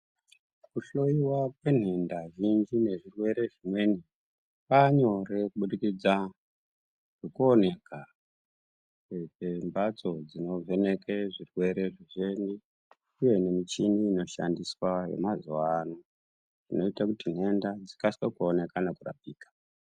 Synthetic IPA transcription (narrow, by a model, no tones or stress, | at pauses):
kuɬo̞iwakwe̞n̤e̞ndaʐind͡ʒine̞ʐirwe̞ɾe̞ʐimwe̞ni | paɲo̞ɾe̞kuɓuɗikid͡za | ʐ̥ekone̞ka | eembat͡so̞d͡zino̞vʱe̞ne̞keʐirwe̞ɾe̞ʐiʐendi | uje̞ne̞mit͡ʃiniːno̞ʃa̰ndiswajḛmazuwano | ʐino̞itakutin̤ɦe̞ndad͡zikaswekuone̞kanakura̰piːkḁ